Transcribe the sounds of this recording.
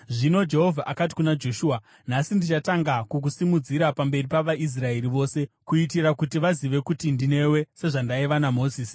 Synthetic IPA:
ʐino̞d͡ʒe̞ɦovʱaʔakati̥kunad͡ʒo̞ʃuːa | nasindit͡ʃataŋɡakukusimud͡ziɾapambe̞ripaʋaʔis̬rae̞ɾiʋo̞ːse̞kuitiɾakutiʋaziʋe̞kutindine̞we̞se̞ʐandaiʋanamo̞ziːsi̥

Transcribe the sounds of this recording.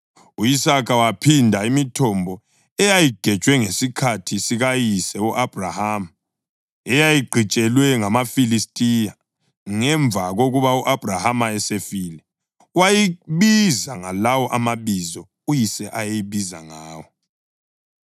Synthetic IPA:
uisakʰawapʰindʱaimitʰɔmbʱɔ | ɛjajiɡ̥ʱɛt͡ʃʼwɛŋesikʰatʰisiɣajisɛuʔab̥ʱrahaːm | ɛjajiɡ͡ǃʱit͡ʃʼɛlwɛŋamafilistʼija | ŋɛɱb̪vʱaɣoɣuβauʔab̥ʱrahamaɛsefiːlɛ | wajiβizaŋalawɔʔamaβizɔ | ujisɛʔajejiβiza̰ŋaːwɔ

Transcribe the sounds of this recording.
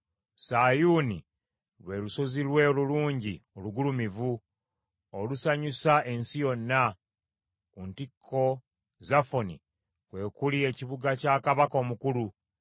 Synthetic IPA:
saːjuːni | lwe̞luso̞zilwe̞oluluːɲɟioluɡulumivu | olusaɲusae̞nsijo̞nːa | kuntikʰːo̞ | zafo̞nḭ | kwe̞ːkulie̞ciβuɡacakaβako̞ːmukulu

